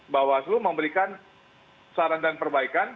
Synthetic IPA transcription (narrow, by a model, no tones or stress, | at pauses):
bawasluməmbəɾikan | saɾaŋdanpərbaikan